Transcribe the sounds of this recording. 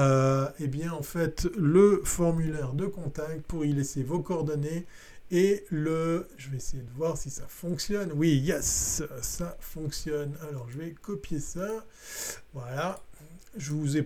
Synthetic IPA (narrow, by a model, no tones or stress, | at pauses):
øebjɛ̃ɑ̃fɛt̪ləfɔʁmylɛʁd̪əkɔ̃t̪akt̪̚puʁilɛsevokɔɔʁd̪ɔne | eləʒəvɛesejed̪əvwaʁsisafɔ̃ksjɔnwijɛsː | afɔ̃ksjɔnalɔʁʒəvɛkɔpjesa | vwala | ʒəvuzɛ